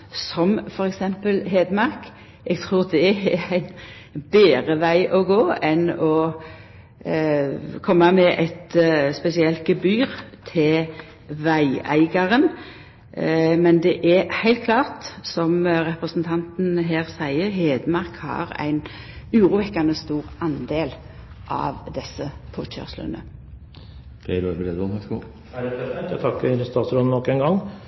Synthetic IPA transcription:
sɔmfɔɾɛksɛmpəlɦeːd̪mɑɾk | ɛɡt̪ʰʁuːʁd̪ɛɛæɪn | beːɾəʋæɪʔɔɡoːɛnɔ | kʰɔmːɑmɛʔæɪt̪spɛsɪɛlt̪̚ɡ̥əbyːʁt̪ʰɪl | ʋæɪæɪɡɑʁən | mɛnd̪ɛʔæhæɪlt̪̚kʰlɑːʁt̪sɔmʁɛpʁəsn̩t̪ʰɑnt̪n̩ɦeːʁsæɪəʁɦeːd̪əmɑʁkhɑ̰ʁæ̰ɪn | ʉːʁuːʋɛkːɑnəst̪uːʁɑnd̪eːl | ʔɑ̰ʋd̪ɛsːəpʰoːc͡çœ̰ʁslə̰nə̰ | d̪̥ɛɾɑɾbəɾeːd̪ɔæsu | æt̪ʰɑkːəst̪ʰɑːt̪sɾɔd̪ənɔkːɛnɡɑŋ

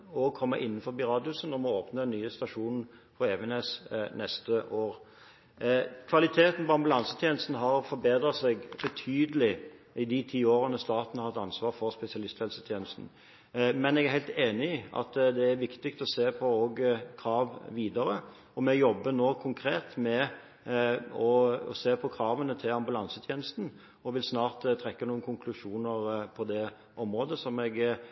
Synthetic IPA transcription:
ɔkʰɔmːəʔɪnːn̩fɔɾbɪɾɑːd̪ɪʊsənɔmɔoːpnəɛnːyːəst̪ɑʂuːnn̩ | fʰɔeːʋəneːsnɛst̪əʔoːɾ | kʰʋɑlɪt̪ʰeːt̪n̩pɔɑmbʉlɑnsət̪ʰjeːnəst̪nɦɑɾfɔɾbeːd̪ɾɑsɛɡbɛt̪ʰyːd̪əlɪ | ɪd̪ɪt̪ʰiːoːɾənəst̪ɑːt̪ənəhɑhɑt̪ːɑnsʋɑːʁfɔɾspɛsɪɑlɪst̪hɛlsət̪ʰjeːnəst̪n̩ | mɛnɛɡæɾhæɪt̪eːnɪɪɑ̰t̪d̪ɛæɾʋɪkt̪ɪkt̪ɔseːpʰɔoːɡkʰɾɑːʋʋiːd̪ɑɾə | ɔmɛjɔbːənoːkʰʊŋkʰɾeːt̪mɛ | ɔɔ̰seːpʰɔkʰɾɑːʋənət̪ʰɪlɑmbʉlɑnsət̪ʰjeːnəst̪n̩ | ɔʋɪlsnɑːɾt̪t̪ʰɾɛkːənuːənkʰʊŋkʰlʉʂuːnəɾpʰɔd̪ɛ | ʔɔmɾoːd̪əsɔmɛɡ

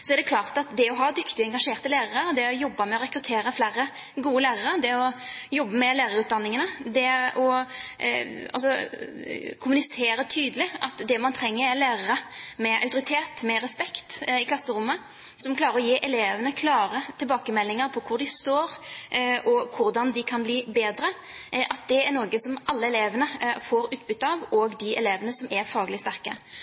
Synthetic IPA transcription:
sɔɛɾd̪ɛkʰlɑːʁt̪ɑt̪d̪ɛɔɦɑd̪ʏkt̪ɪɛŋɡɑʂeːʁt̪əlæːɾəʁəɾd̪ɛɔjɔbːəmɛɔɾɛkɾʉt̪ʰeːɾəflæːɾə | ɡuːəlæːʁəʁəd̪ɛɔjɔbːəmɛlæːʁəɾʉːt̪d̪ɑnːɪŋənəd̪ɛʔɔ | ɑ̰lsɔ | kʰʊmʉnɪseːɾət̪ʰyːd̪əlɪʔɑt̪d̪ɛmɑnt̪ʰɾɛŋːəɾɛlæːʁəɾəmɛʔɑʉt̪ʊɾɪt̪ʰeːt̪mɛɾɛspɛkt̪ɪkʰlɑsːəɾʊmːə | sɔmkʰlɑːɾəɾɔjeːʔɛleːʋənəkʰlɑːɾət̪ʰɪlbɑːkəmɛlːɪŋəɾpʰɔkʰʊɾɖ̪ɪst̪oːɾ | ɔkʰʊɾd̪ɑnd̪ɪkʰɑnbliːbeːd̪ɾə | ʔɑt̪̚d̪ɛæɾnoːɡəsɔmɑlːəɛleːʋənəfoɾʉːt̪̚bʏt̪ːɑʋɔɡd̪ɪʔɛ̰leːʋənəsɔmʔæɾfɑːɡlɪst̪æɾkə̰

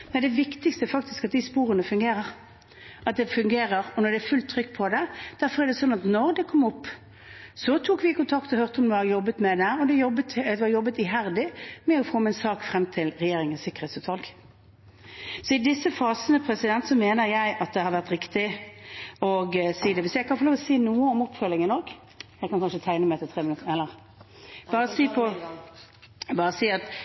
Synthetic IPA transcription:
mɛnd̪ɛʋɪkt̪ɪkst̪əfɑk̚t̪ɪskɑt̪̚d̪ɪspuːʁənəfʉŋɡeːɾəʁ | ʔɑt̪̚d̪ɛfʉŋɡeːʁəʁɔnɔʁd̪ɛæfʉlt̪ʰːʁʏkːpʰɔd̪ɛd̪̥æʁfɔʁæɖ̪ɛsɔnːɑt̪nɔʁd̪ɛkʰɔmːɔpː | sɔt̪ʰuːkʋɪkʊnt̪ʰɑkt̪ɔhœʁt̪əɔmd̪ɛɑjɔbːət̪mɛd̪ɛæːʁɔd̪ɛjɔbːət̪ʋɑjɔbːət̪ɪɦæʁd̪ɪmɛɔfoːmɛnsɑːkfʁɛmt̪ʰɪlʁɛjeːɾɪŋənsɪkːəʁheːt̪sʉt̪ʋɑlɡ | sɔɪd̪ɪsːəfɑːsənəpʰɾɛsɪd̪ɛnt̪sɔmeːnəɾjæɪʔɑt̪̚d̪ɛhɑɾʋæʁt̪ɾɪkt̪ɪ | ɔɡsiːd̪ɛʋɪsjæɪkɑnfɔloːʋɔsiːnuːəɔmʊpfœlɪŋənɔɡ | jæɪkʰɑnkʰɑnʂət̪ʰæɪnəmæɪt̪ʰɛlt̪ʰʁeːmənʉt̪əɛlːəʁ | b̥ɑːɾəsiːpʰɔ | bɑːʁəsiːɑt̪

